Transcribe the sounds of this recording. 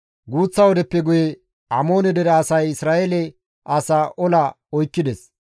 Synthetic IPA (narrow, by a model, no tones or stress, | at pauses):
ɡuːt͡sːɐwɔd̪ɛpːɛɡʊjɛ | ɐmo̞ːnɛd̪ɛɾɐːsɐjɪsɾaːʔelɛ | ʔɐsaːʔɔlɐ | ɔjkːɪd̪ɛs